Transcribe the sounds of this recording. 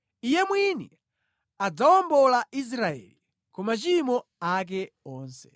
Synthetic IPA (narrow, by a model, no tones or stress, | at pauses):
ijɛmwinḭ | ad͡zaɔmbɔlaʔis̬ɾaɛ̰lil | kɔmat͡ʃimɔak̬ɛ | ɔːnsɛ̥